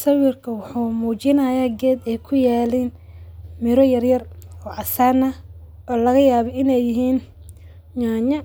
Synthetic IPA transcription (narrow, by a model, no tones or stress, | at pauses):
sɐwɪrkʰɐwʊħuːmuːt͡ʃɪnɐjaːɡɛːd̪ɛjkʰʊjaːlɛːnmɪɾɔjɐrjɐrɔːʕɑsaːnɐʔɔːlɐɣɐjaːβɔʔɪnɛjːɪɦiːn | ɲaːɲɐ